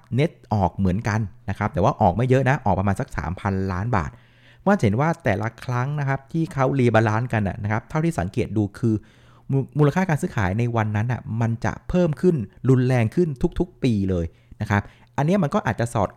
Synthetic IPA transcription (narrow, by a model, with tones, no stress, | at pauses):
ne˦˥t̪̚ʔɔː˨˩k̚mɯ˩˦ənka˧nna˦˥kʰa˦˥p̚t̪ɛː˨˦waː˥˩ʔɔː˨˩k̚ma˥˩jɤ˦˥ʔna˦˥ʔɔː˨˩kpɾa˧maː˧nsa˨˩k̚sa̰ː˩˦mpʰa˧nlaː˦˥nba̰ː˨˩t̪̚ | waː˥˩t͡ɕɦe˩˦nwaː˥˩t̪ɛː˨˩lʔa˧kʰɾa˦˥ŋna˦˥kʰa˦˥p̚t̪ʰiː˥˩kʰa˦˥wliː˧baː˧laː˦˥nka˧nːʔa̰˨˩na˦˥kʰa˦˥p̚t̪ʰa˥˩wt̪ʰiː˥˩sa˩˦ŋkeː˨˩t̪̚duː˧kʰɯː˧ | muː˧la˧kʰaː˥˩kaː˧nsɯː˦˥kʰa̰ː˩˦jna˧jwa˧nːa˦˥nːʔa̰˨˩ma˧nt͡ɕa̰˨˩pʰɤː˥˩mkʰɯ˥˩nɾu˧nlɛː˧ŋkʰɯ˥˩nt̪ʰu˦˥k̚t̪ʰu˦˥k̚piː˧lɤː˧j | na˦˥kʰa˦˥p̚ | ʔa˧nːi˦˥ɐma˧nkɔː˥˩ʔaː˨˩t̪̚t͡ɕa˨˩ʔsɔː˨˩t̪̚